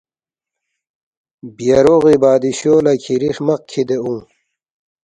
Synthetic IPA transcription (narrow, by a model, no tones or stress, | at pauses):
bjɐɾoʁibaːd̪iɕoːlakʰiɾiχmɐq̚kʰid̪eũŋ